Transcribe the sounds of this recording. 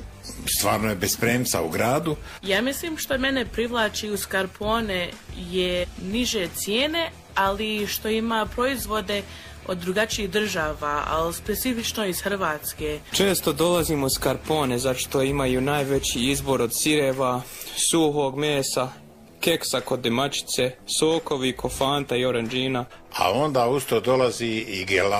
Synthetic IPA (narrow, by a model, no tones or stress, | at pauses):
st̪ʋaːɾnojebespɾeːmsa̰ṵɡɾaːd̪u | jaːmisliːmʃt̪ome̞nepɾiʋlˠaːt͡ʃiuskaɾpʰo̞ːnejeniʒet̪sjeːne̞ | aliʃt̪o̞imaːpɾo̞izʋo̞d̪e̞ | od̪ːɾuɡat͡ʃiːɣd̪r̩ʒaːʋaːa̰lispe̞t̪ifit͡ʃno̞izxr̩ʋaːt̪skeːt͡ʃe̞ːst̪o̞d̪o̞laziːmoiskaɾpo̞ːnezaʃt̪o̞imajunaːjʋe̞t͡ɕiizbo̞ɾo̞d̪siɾeʋasuɦoːɡmeːsa | ke̞ksako̞d̪ːemat͡ɕi̥t̪se̞soːko̞ʋikʰofaːnt̪aio̞ɾend͡ʒiːna | a̰o̞nd̪aːust̪od̪olaziiɡela